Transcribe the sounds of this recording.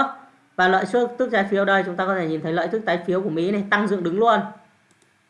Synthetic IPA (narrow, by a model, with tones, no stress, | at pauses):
vaː˨˩lə̰ː˧˨jsɨ˦˥ək̚t̪ɨ˦˥k̚zaː˨˦jfi˨˦əwɗə˧jt͡ɕʊ˨˦ŋ͡mt̪aː˧kɔ˨˦t̪ʰe˧˩ɲi˨˩t̪ʰə˨˦jlə̰ː˧˨t̪ʰɨ˦˥k̚taː˨˦jfi˨˦əku˧˩mḭ˧˥na˨˩jt̪a˧ŋzɨ̰˧əŋɗɨ˨˦ŋlu˧ən